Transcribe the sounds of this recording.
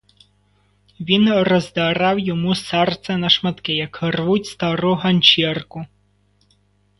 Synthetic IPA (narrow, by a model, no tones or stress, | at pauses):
ʋʲinrɔzd̪ɐɾɑwjɔmusɛrt̪sɛnɐʃmɐt̪kɪjɐkhrʋutʲst̪ɐɾuɦɐnʲt͡ʃirkʊ